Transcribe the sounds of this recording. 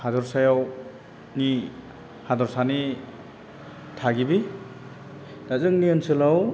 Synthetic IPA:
hadɔɾsajaw | ni | hadɔɾsani | tʰaɡibi | dazɯŋniɯnsɯlaw

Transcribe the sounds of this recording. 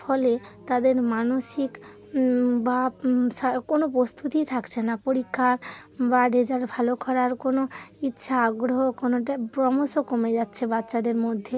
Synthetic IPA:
fɔlet̪ad̪eɾmanoʃik | baakonopɾost̪ʰut̪it̪ʰakt͡ɕʰenapoɾikʰːaɾbaɖed͡ʑaɾbʱalokʰɔɾaɾkonoitːɕʰaaɡɾoɦokonoʈapɾɔmoʃokomed͡ʑatːɕʰebatːɕad̪eɾmod̪ʱːe

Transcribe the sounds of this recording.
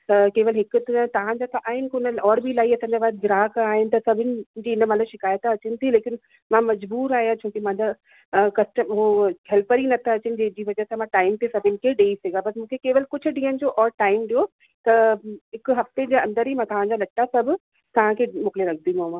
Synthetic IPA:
t̪ɐkeːʋəlɦɪkʊt̪t̪ɐʋ̤ãd͡ʑat̪ʰaʔaːɦɪnɪ̆kʊnəɔːɾbʱilaːiɐsãːɲd͡ʑabaːd̪̚d͡ʑɪɾaːkaːɦɪnɪ̆t̪ɐsɐbʱɪnɪ̆d͡ʑiːɪnəmɐt̪ləbʃɪkaːjət̪ɐt͡ɕɪnɪ̆t̪ʰileːkɪn | mãmɐd͡ʑbuːɾaːɦijat͡ɕʰoːkimãd̪a | kɐsʈəmɦoɦʰɛlpəɾinɐt̪ʰaɐt͡ɕɪnɪ̆d͡ʑed͡ʑiːʋɐd͡ʑɐɦsamãʈaːɪmt̪esɐbʱɪnɪkʰeɖeːiseːɡabɐsmũːkʰekeːʋəlɪkʊd͡ʑʰʊɖĩːənɪ̆d͡ʑoːʔɔːɾʈaːɪmɖijo | t̪ɐɦɪkɦɐft̪ed͡ʑeːɐ̃nd̪əɾɦimãt̪ɐʋ̤ãd͡ʑalɐʈːasɐbʱʊ | t̪ɐʋ̤ãkʰemʊkleɾɐk̚ʰd̪iõmãː

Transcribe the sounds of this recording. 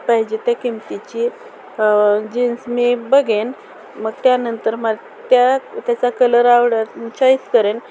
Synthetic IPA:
paɦid͡ʑet̪jakimt̪it͡ɕi | d͡ʑinsmibəɡen | məɡt̪janənt̪əɾmə | t̪jat̪jat͡sakələɾaʋɽət̪mut͡ɕʰait͡skəɾen

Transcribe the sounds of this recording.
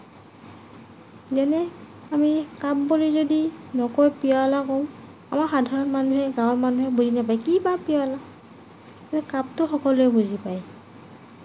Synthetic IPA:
zɛnɛ | amikabbulizodinɔkɔjpialakɔw̃ | a̰maɹxadʱaɹɔnmanuɦɛɡãwɔmanuɦɛbuzinapajkibapiala | kaɹɛkap̚tʊxɔkɔloɛbuzipaj

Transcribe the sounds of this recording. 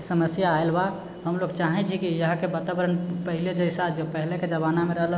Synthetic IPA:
səməsjaːelba | ɦəmloɡt͡ʃaɦɛt͡ʃʰikijəɦãkebat̪abəɾənpəɦiled͡ʒəɪsad͡ʒepəɦileked͡ʒəβanameɾəɦl

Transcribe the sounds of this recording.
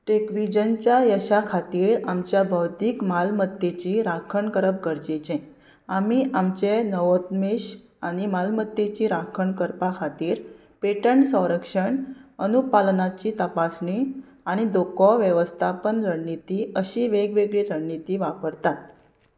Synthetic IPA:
ʈekʋid͡ʑənt͡ɕjajəɕakʰat̪iːɾamt͡ɕjabʱəwt̪iːkmalmət̪ːjet͡ɕiɾakʰəɳkəɾəp̚ɡəɾd͡ʑet͡ɕẽ | amiʔamt͡ɕenəʋət̪meɕ | aɽ̃imalmət̪ːjet͡ɕiːɾakʰəɳkəɾpakʰat̪iːɾ | peʈəɳsə̃w̃ɾəkʂəɳənupalnat͡ɕiːt̪əpasɳi | aɽ̃id̪okɔʋjəʋəst̪ʰapənɾəɳnːit̪iəɕiːʋeɡʋeɡɭeɾəːit̪iːʋapəɾt̪at̪̚

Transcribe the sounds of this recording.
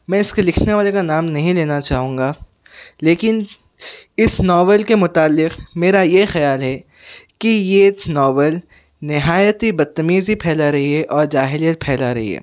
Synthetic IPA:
mɛ̃ːɪskelɪkʰneʋaːlekanaːmnɐɦĩleːnat͡ʃaːɦũːŋ̆ɡaː | leːkɪn | ɪsnɔːʋəlkemʊt̪aːlːɪqmeːɾajexɐjaːlɦɛ | kijenɔːʋəl | nɪɦaːjət̪ibɐd̪̚t̪ːɐmiːzipʰɛːlaɾɐɦiɦɛʔɔːɾd͡ʒaːɦɪlijət̪̚pʰɛːlaɾɐɦḭɦɛ̰ː

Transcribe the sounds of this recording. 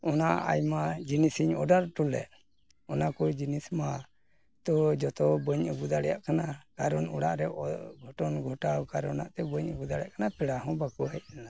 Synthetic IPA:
ɔnaa̰jmad͡ʒinisiɲɔ̰ɖaɾʈulɛ̰ʔ | ɔnakɔd͡ʒinisma | t̪ɔd͡ʒɔt̪ɔbɔɲəbud̪aɽɛjaʔkanakaɾɔnuɽaʔɾɛɡʱɔʈɔnɡʱɔʈawkaɾɔna̰ʔt̪ɛbɔɲəbud̪aɽɛjaʔkanapɛɽaɦɔ̃bakɔɦɛt̪̚kana

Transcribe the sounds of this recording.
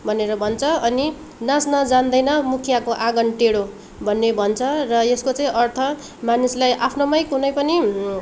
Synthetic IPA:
bʱʌneɾʌbʱʌnt͡sʰʌʌni | nasnʌd͡zand̪ʌjnʌmukʰjakoʔaɡʌnʈeɽo | bʱʌnːebʱʌnt͡sʰʌrʌeskot͡sãĩʔʌrt̪ʰʌ | manislajʔapʰnomʌjkunʌjpʌni

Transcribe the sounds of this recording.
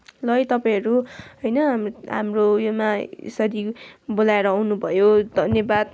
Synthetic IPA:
lʌjt̪ʌpaĩj̃ɦʌɾuɦʌjnʌɦa̰mrojomaḛsʌɾibolaeɾʌːwnubʱʌjod̪ʱʌnjʌbad̪

